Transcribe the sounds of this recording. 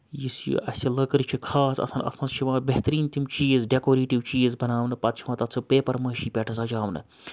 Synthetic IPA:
jisjṵʔɐsʲilɐkɨɾt͡ʃʰikʰaːsɐ̰sɐnɐ̰snɐzʃʰiʋãːbeɦt̪ɾiːnt̪imt͡ʃiːzɖekoːɾeːʈiʋt͡ʃiːzbɐnaːʋnɨpɐt̪t͡ʃʰimɐ̃ːt̪ɐt͡sʰupeːpɐɾmɐːʃiːpʲɛʈʰɐsɐd͡ʒaːʋnɨ̰

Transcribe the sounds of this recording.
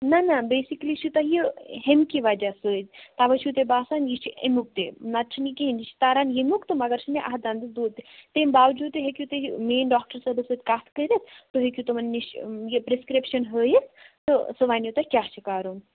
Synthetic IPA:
nɐnabeːsikliʃut̪ɐjiɦemkiʋɐd͡ʒasəːd͡ʒt̪aʋɐt͡ʃʰut̪ebaːsaːnjit͡ʃʰiḛmʲuk̚t̪enɐt̪̚t͡ʃʰnikind͡ʒit͡ʃʰi̥t̪aːɾaːnjemʲukt̪ɨmɐɡɐɾt͡ʃʰineʔaɦd̪and̪ɨsd̪uːd̪̚t̪et̪embaːʋd͡ʒuːd̪̚t̪eɦekʲjut̪emeːnɖɔːk̚ʈɐɾsɐɾbisət̪ʲkaːt̪ʰkəɾʲist̪oɦekʲjut̪ɐmɐnːiʃjepɾeskɾipʃɐnɦəːjist̪ɨsɨʋaːnjut̪ɐkʲjaːt͡ʃʰikaːɾun

